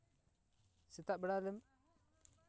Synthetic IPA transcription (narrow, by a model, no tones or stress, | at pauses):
sitabəɾaləm